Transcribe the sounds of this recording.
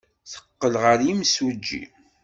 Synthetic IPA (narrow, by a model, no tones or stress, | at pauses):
θə̥qːəlʁəɾjimsəd͡ʒːḭ